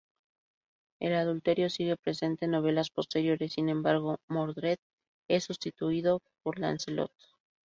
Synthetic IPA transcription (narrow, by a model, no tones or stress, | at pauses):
e̞̰laðult̪e̞ɾjo̞siɣe̞pɾe̞se̞nt̪e̞no̞β̞e̞laspo̞st̪e̞ɾjo̞ɾe̞sːinẽ̞mbaɾɣ̞o̞moɾðɾet̪̚ | esust̪it̪uiðo̞po̞ɾla̰nselo̞̰t̪